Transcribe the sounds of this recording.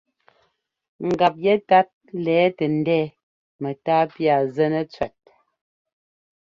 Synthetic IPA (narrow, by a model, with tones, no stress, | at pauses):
ŋ̩˨ɡa˨p̚jɛ˦ta˦t̚lɛː˨˦tɛ˨n̩˨˦dɛː˦ | mɛ˨taː˦pja˨zɛ˦nə˦t͡sɥɛ˨t̚